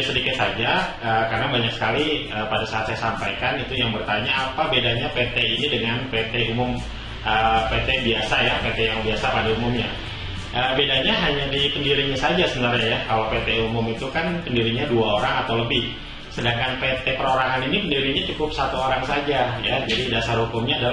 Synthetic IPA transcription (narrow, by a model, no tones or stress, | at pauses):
sədikɪt̪̚sad͡ʒa | əːkarənabaɲak̚sə̥kaliəpadasaːt̪sajasampajkanit̪ujaŋbərt̪aɲaːpabedaɲapet̪einidəŋanpet̪eumʊm | ʔəpet̪ebiasajapet̪ɛjaŋbiasapadaumʊmɲa | ʔəbedaɲaɦaɲadipəndiɾiɲasad͡ʒasəbənarɲajakalawpet̪eumʊmit̪ukanpəndiɾiɲaduaoɾaŋat̪awləbɪh | sədaŋkanpet̪ɛpəɾoɾaɦaninipəndiɾiɲat͡ʃukʊp̚sat̪uoɾaŋsad͡ʒajad͡ʒadidasarhukʊmɲaːdal